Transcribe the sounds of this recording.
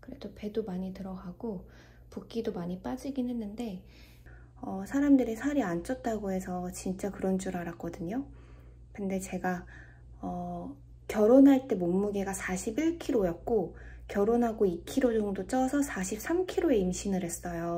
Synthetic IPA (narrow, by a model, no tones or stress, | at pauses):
kɯɾe̞d̥ope̞domaɲitɯɾʌɡaɡ̥o | puk͈idomaɲip͈ad͡ʑiɡinɦe̞nːɯnde̞ | ʌsʰaɾamdɯɾisʰaɾiant͡ɕ͈ʌt̚t͈aɡoɦe̞sʰʌt͡ɕint͡ɕ͈akɯɾʌnt͡ɕ͈uɾaɾak͈ʌdɯɲo | kɯnde̞t͡ɕe̞ɡa | ʌ | kjʌɾonɦaɭt͈e̞momːuɡe̞ɡasʰaɕʰibiɭkʰiɾojʌt̚k͈okjʌɾonɦaɡoikʰiɾod͡ʑʌŋdot͡ɕ͈ʌsʰʌsʰaɕʰip̚s͈amkʰiɾoe̞imɕʰinɯɾɦe̞s͈ʌjo